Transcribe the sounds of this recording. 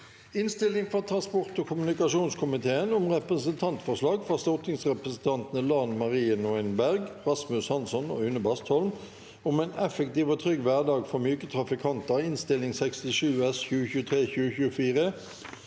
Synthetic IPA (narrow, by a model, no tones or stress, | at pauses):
ɪnst̪ɪlɪŋfʁɑt̪ʰʁɑnspɔʁt̪oːkʰʊmnɪkɑʂuːnskʰʊmɪt̪ʰeːənʊmʁɛpʁəsənt̪ʰɑnt̪fɔʁʂlɑːɡfɑʁst̪ɔt̪ɪŋsʁɛpʁəsn̩t̪ʰɑnt̪nəlɑːnmɑʁiːənɔɪnbæʁɡʁɑsmʉshɑnsɔno̰ːʉnəbɑst̪hɔlm | ʊmeːnɛfəkt̪iːʋoːt̪ʰʁʏɡʋæʁd̪ɑːɡfɔʁmyːkət̪ʰʁɑfɪkʰɑnt̪əʁɪnst̪ɪlɪŋsɛkst̪ɪʂʉːɛsçʉːəçʉːət̪ʰʁeːçʉːəçʉːəfiːʁə